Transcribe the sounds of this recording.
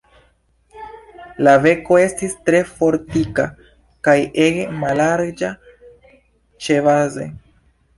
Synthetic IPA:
lave̞ko̞e̞stistɾe̞fo̞ɾtika | kajeɡemalaɾd͡ʒa | t͡ʃe̞vaze̞̰

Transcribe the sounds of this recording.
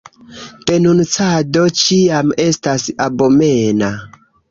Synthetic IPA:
te̞nunt͡sado̞t͡ʃiame̞stasabomena

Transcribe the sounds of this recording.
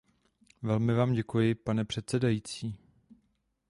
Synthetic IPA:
vɛlmɪvaːmɟɛkujɪpanɛpr̝̥ɛt̪t͡sɛdajiːt͡siː

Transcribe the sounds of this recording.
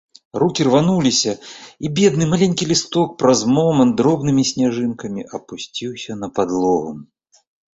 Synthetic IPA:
rukʲirvanulʲisʲɐibʲɛd̪̚nɨmalʲenʲkʲilʲist̪ɔk̚pɾazmɔmɐnd̪ɾɔbnɨmʲisʲnʲaʐɨnkɐmʲiʔɐpusʲt͡sʲiwsʲɐnɐpad̪lˠɔɣum

